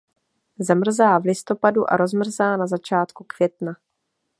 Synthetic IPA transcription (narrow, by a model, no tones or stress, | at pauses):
zamr̩zaːvlɪst̪o̞paduʔa̰ɾo̞zmr̩zaːnazat͡ʃaːt̪kukv̥jɛt̪na